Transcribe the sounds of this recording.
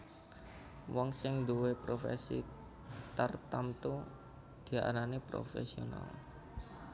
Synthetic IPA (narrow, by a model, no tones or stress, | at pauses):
wɔŋsɪŋd̪uwepɾofḛsḭ | t̪ərt̪amt̪u | d̪̥i̤a̰ɾanepɾo̰fḛsiona̰l